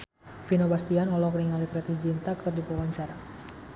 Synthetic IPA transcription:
finobast̪ianɔlɔkəniŋalipɾɛt̪izint̪akərdipɔwaɲt͡ʃaɾa

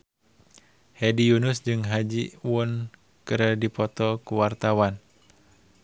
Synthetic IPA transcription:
hɛdijunʊsd͡ʒɨŋɦad͡ʒiwʊn | kɨɾədipɔt̪ɔkuwart̪awan

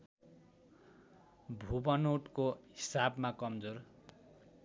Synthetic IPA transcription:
bʱubʌnoʈkoɦisabmakʌmd͡zor

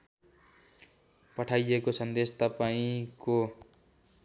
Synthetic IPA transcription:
pʌʈʰajekosʌnd̪est̪ʌpaĩko

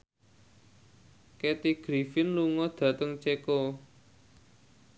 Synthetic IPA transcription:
ket̪iɡ̥ɾifɪnluŋɔd̪̥ä̤t̪əŋt͡ʃeko

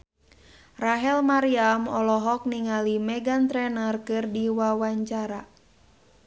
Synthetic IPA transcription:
raɦɛlmaɾiamɔlɔɦɔk̚niŋalimɛɡant̪ɾɛnərkɨrdiwawaɲt͡ʃaɾa

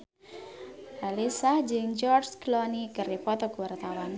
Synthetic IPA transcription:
ʔalisahd͡ʒɨŋd͡ʒɔrsklɔnikɨripɔt̪ɔɡuwart̪awan

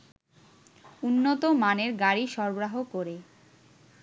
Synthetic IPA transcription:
unːot̪omaneɾɡaɾiʃɔɾboɾaɦokoɾe

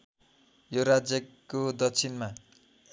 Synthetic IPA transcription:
joɾad͡zjʌkod̪ʌt͡sʰinma

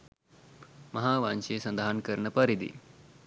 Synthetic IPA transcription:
mɐɦaːʋanɕeːsɐnd̪aɦankəɾɳəpɐɾid̪ḭ

